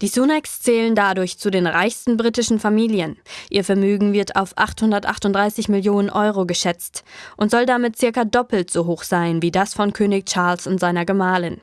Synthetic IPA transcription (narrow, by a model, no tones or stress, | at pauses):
d̥iːsunɛkst͡sɛːləndadʊɐçt͡sudeːnʁaɪçstn̩bʁiːtɪʃn̩famiːljənʔiːɐfɛɐmyːɡŋ̩vɪɐta̰ʊfʔa̰χthʊndɐtʔa̰χtʊnd̥ʁaɪsɪçmɪljoːnənʔɔʏʁoɡəʃɛt͡stʔʊntz̥ɔldamɪt̚t͡sɪɐkɐdɔpl̩tz̥oɦoːxz̥aɪnviːdasfɔnkʰøːnɪçt͡ʃaɐlsʊntz̥aɪnɐɡəmaːlɪn